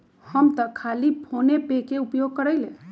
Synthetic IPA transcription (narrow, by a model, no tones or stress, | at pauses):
həmt̪əkʰalipʰonepekeupjoɡ̚kəɾəjlḛ̃